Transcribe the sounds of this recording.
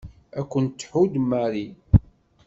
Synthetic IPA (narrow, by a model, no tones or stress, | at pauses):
ækʷːənt͡s̪ːħud̪mːæɾi